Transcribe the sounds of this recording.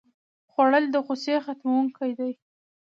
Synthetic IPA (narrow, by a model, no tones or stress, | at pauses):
xwaɽəld̪əɣosexat̪mawuŋkajd̪aj